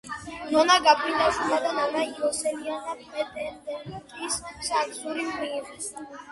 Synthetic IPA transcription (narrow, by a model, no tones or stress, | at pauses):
nɔnaɡapʰʼɾind̪aʃumad̪ananaiɔsɛlianapʰʼɾɛd̪ɛnd̪ɛnkʼissaksuɾimɾiɾis